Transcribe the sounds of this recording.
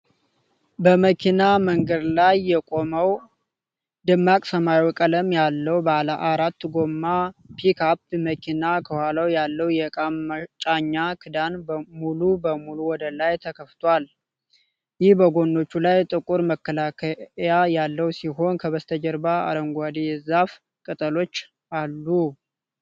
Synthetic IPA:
bəməkʰinaməŋɡəd̪lajːɛkʼo̞məw | d̪ɨmːakʼsəmajwɔkʼələmjalːəwbəaləʔaɾat̪ːɡo̞mːapʰikʰap̚məkʰinakʰəhalawjalːəwjɛkʼamt͡ʃʼaɲːakʰɨd̪anbəmulubəmuluwɔd̪əlajt̪ʰəkʰəft̪ʰwal | jɪhbəɡo̞nːo̞t͡ʃːulajt̪ʼɨkʼuɾməkːəlakʰəjajalːəwsiɦo̞nkʰəβəst̪ʰəd͡ʒəɾbaa̰ɾəŋɡʷad̪ezaf | kʼɨt̪ʼəlo̞t͡ʃː | alːu

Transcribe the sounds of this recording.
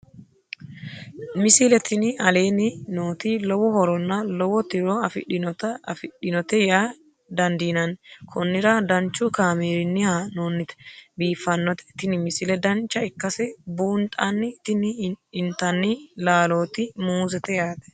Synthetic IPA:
mɪsɪlɛt̪ɪnɪɐle̞ːnɪnoːt̪ɪlɔwɔhɔɾɔnːɐlɔwɔt̪ɪɾɔɐfɪ̰ɗɪt̪fɪɗɪnɔt̪ɛjaː | d̪ɐnd̪iːnɐnkʰɔnːɪɾɐd̪ɐnt͡ʃːʊkaːmeːɾɪnːɪhanoːnːɪt̪ɛ̥biːfːɐnːɔt̪ɛ̥t̪ːɪnɪmɪsɪlɛd̪ɐnt͡ʃːɐɪkːɐsɛbuːnt̪ʼɐnːɪt̪ɪnɪɪnt̪ɐnːɪlaːlo̞ːt̪ɪmuːzɛt̪ɛjaːt̪ɛ̥

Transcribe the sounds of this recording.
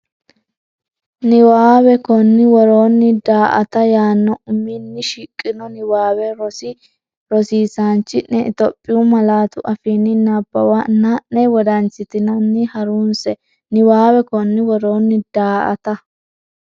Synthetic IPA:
nɪwaːwɛkɔnːɪwɔɾoːnːɪd̪aːʔɐ̰t̪ɐjaːnːɔʔʊminːɪʃikʼːɪnɔnɪwaːwɛɾɔsɪ | ɾɔsiːsaːnt͡ʃːɪnɛt̪ɔpʼːɪwʊmɐlaːt̪ʊʔɐfiːnːɪnɐbːɐ̰wɐnːɐnɛwɔd̪ɐnt͡ʃːɪt̪ɪnɐnːɪhɐɾuːnsɛ | nɪwaːwɛkɔnːɪwɔɾo̞ːnːɪd̪̥aːʔɐ̰t̪ɐ

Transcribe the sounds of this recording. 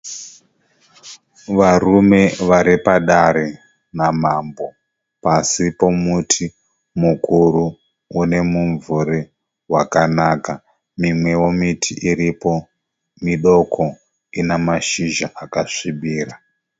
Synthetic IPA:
ʋarume̞ʋaɾipaɗaɾe | namambo̞ | pasipo̞mutʰi | mukuɾuː | ne̞muɱvure | wakanaːka | mimwe̞womitʰiʔiɾipo̞ | miɗo̞kʰo | inamaʃiʒaʔakaʂiɓiːra

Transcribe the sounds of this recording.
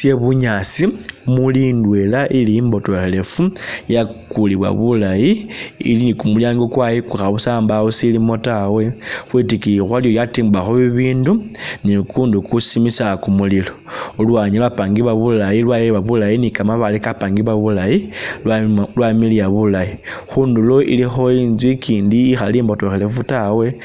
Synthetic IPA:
sjeβuɲasimulindwelaʔiliimbo̞toxele̞fujakuliβwa̰βulajiḭlinikumuljaːŋɡokwajikuxaβusaːmbaosilimo̞tawe̞xwitikixwaljojatiːmbaxoβiβiːndunikuːndukusimisakumulilo̞ulwaɲilwapaŋɡiβaβulajilwajeβaβulajinikamaβalikapaːŋɡiβaβulaji | lwamilijaβulajixuːndulo̞ʔḭlixo̞iːnzwikʰiːndiːxaliːmbatoxelevutawe̞

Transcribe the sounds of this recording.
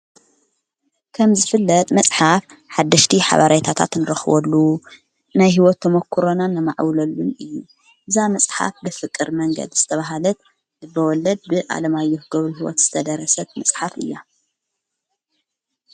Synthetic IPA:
kʰɐmzɨfɨlːɐt̪ʼmɐsʼħaf | ħad̪ːɐʃt̪ʰiħa̰βaɾajt̪ʰat̪ʰa̰t̪nɨɾɐxɨβɔ̰lːu | najɦiwɔt̪ʰːɐmɐkʰːuɾonanːɨmaʕwlɐlːunɨjːu | ʔɨzamɐsʼħa̰fbɨfɨkʼːɨɾmɐŋɡɐ̰d̪zɨt̪ʰɐβaɦalɐt̪ | ɨbɐwɔlːɐd̪̚bɨʔa̰lɐmajːohɡɐβluɦiwɔ̰t̪z̥ɨt̪ʰɐd̪ɐɾɐsɐt̪mɐsʼħafʔɨ̰jːa

